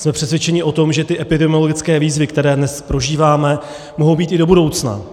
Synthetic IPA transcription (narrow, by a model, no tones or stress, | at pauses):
smɛpr̥ɛsvjɛt͡ʃɛɲɪʔo̞t̪o̞mʒɛt̪ɪʔɛpɪdɛmɪo̞lo̞ɡɪt͡skɛːviːzvɪkt̪ɛɾɛːdnɛspɾo̞ʒiːvaːmɛ | moɦo̞wbiːt̪ɪdo̞budo̞wt͡sna̰